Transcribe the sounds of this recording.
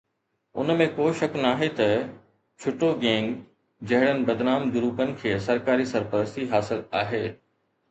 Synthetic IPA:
ʊ̰nmẽkoːʃɐknaːɦet̪ɐ | t͡ɕʰʊʈoɡẽːŋɡ | d͡ʑɐɦɪɽənɪ̆bɐd̪naːmd̪ʊɾuːpənɪ̆kʰeːəsɐɾkaːɾisɐɾpəɾəst̪iɦaːsɪlaːɦeː

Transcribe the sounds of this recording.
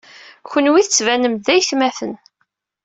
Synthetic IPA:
çʷənwiθət͡sːvænəmðæjθmæθən

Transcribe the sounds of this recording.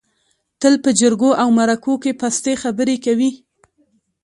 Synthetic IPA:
t̪əlpəd͡ʒəɾɡoʔawmaɾakokepast̪exabəɾekawi

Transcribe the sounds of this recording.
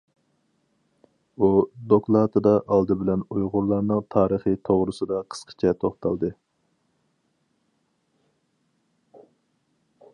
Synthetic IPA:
ud̪oklˠɑt̪ʰɨd̪ɑʔɑlˠd̪ɨbɪlɛnujʁʊɾlˠɑɾnɨŋt̪ʰɑːɾəχit̪ʰoʁɾɨsɨd̪ɑqʰə̥sqʰə̥t͡ʃʰɛt̪ʰoχt̪ʰɑlˠd̪ɨ

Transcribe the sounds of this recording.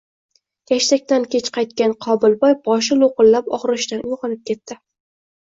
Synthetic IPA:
kʲʰaʃt̪ak̚ʲt̪ankʲʰe̞t͡ʃqʰɑjt̪̚kʲanqʰɒbɪlˠbɒjbɒʃ̬ɪlˠoqɨlːapɒ̰χɾɪʃt̪anʔʊjʁɑnɪp̚kʲe̞t̪ːɪ

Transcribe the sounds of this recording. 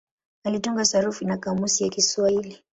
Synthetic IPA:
alituŋɡasaɾufinakamusijakiswaili

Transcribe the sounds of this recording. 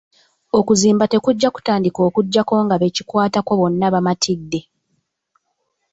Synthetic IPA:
o̞kuziːmbate̞kuɟːaku̥taːndiko̞ːkuɟːako̞ŋɡaβe̞ci̥kwaːtako̞βo̞nːaβamatʰidːe̞

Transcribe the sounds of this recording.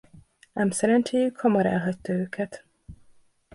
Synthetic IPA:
nɛmsɛɾɛnt͡ʃeːjykhɒmɒɾɛ̰lɦɒct̪ːɒøːkʰɛt̪

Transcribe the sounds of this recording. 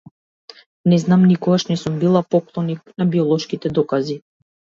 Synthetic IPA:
nɛznamnikɔɡaʃnɛsumbilˠapɔklˠɔnik̚nabiɔlˠɔʃkit̪ɛd̪ɔkazi

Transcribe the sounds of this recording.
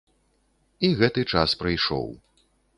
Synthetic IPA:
iɣɛt̪ɨt͡ʂaspɾɐjʂɔ̰w

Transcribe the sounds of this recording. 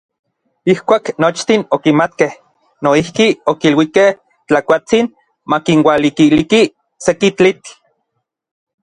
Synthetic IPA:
ihkʷaːknot͡ʃt̪inokimat̪keh | noihkiokilwikeh | t͡ɬakʷat͡sin | makinwalikiliki | sekit͡ɬit͡ɬ

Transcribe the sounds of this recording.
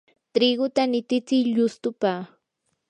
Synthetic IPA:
t̪ɾɪɡʊt̪anɪt̪ɪt͡sɪjʎʊst̪ʊpa

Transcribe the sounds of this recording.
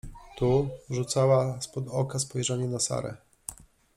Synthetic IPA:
t̪uʐut̪sawaspɔd̪ɔkaspɔjʐaɲɛnasa̰ɾɛ̰

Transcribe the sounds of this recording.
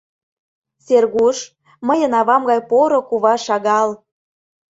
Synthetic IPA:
serɣuʃ | məjə̆nɑβɑmɣɑjpoɾŏkuβɑʃɑɣɑl

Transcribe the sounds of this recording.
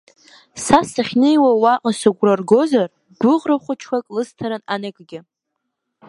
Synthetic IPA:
sasaχʲnejwawaqʼasaɡʷrarɡo̞zar | ɡʷʊʁraχʷʊt͡ʃʰkʰʷakʼlɨstʰaɾananakʼɡʲɪ

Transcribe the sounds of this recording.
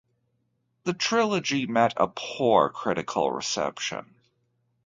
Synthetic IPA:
ðɨtʰɹ̥ɪlˠəd͡ʒimɛɾə̰pʰuɹkʰɹ̥ɪɾɨkʰl̩ˠɹɪ̰sɛ̰pʃɨ̰̃n

